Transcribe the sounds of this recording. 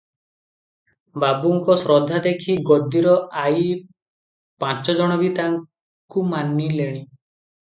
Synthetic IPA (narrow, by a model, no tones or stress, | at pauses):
babuŋkɔsɾɔd̪ʱːad̪ekʰiɡɔd̪iɾɔʔaj | pãt͡ʃɔd͡ʒɔɽ̃ɔbit̪aŋ | kumanileɽ̃i